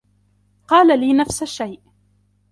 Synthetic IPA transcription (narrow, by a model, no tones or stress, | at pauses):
qɑːlaliːnafsaʃajʔ